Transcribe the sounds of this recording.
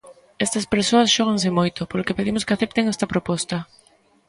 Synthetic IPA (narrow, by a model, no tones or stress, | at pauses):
ɛst̪ɐspeɾsoɐsʃɔɣ̞aŋsɪmojt̪opolokepeðimʊskeaθep̚t̪eŋɛst̪ɐpɾopɔst̪ɐ